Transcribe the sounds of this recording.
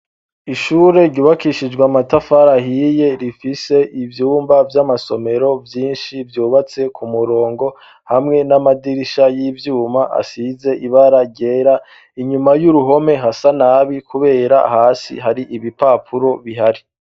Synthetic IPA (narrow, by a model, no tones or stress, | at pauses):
iʃuːɾe̞ɾɟuːβakiʃid͡ʒɡwamatafaɾahije̞ɾifise̞ivjuːmbavjamaso̞me̞ɾo̞vjiːnʃivjuːβat͡se̞kʰumuɾo̞ːŋɡo̞ | hamŋe̞namadiɾiʃajivjuːmaʔa̰size̞ʔiβaɾaɟe̞ɾa | iɲumajuɾuɦo̞me̞ɦasanaβikuβe̞ːɾa̰haːsḭɦaɾiʔiβipapʰuɾo̞βiɦaɾi